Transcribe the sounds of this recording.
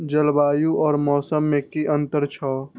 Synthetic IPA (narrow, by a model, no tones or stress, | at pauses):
d͡ʒəlbaːjuʔɔːɾmɔːsəmːẽkiʔə̃nt̪əɾt͡ʃʰɔː